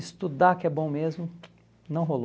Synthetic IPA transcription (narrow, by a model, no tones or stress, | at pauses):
ɪst̪ud̪akɪɛbõmezmʊ | nɐ̃w̃ɦol